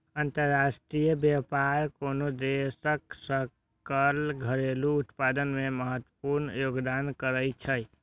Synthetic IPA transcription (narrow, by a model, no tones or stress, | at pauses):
ənt̪əɾːasʈɾijəbjapaɾkonod̪esəksə | kəlɡʱəɾeluːt̪pad̪ənmeməɦət̪ːwəpuɾnjoɡd̪ankəɾəjt͡ʃʰəj